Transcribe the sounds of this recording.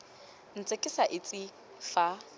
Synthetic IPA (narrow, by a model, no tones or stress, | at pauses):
n̩t͡sʼekʼɪsaʔɪt͡sʼɪ | fa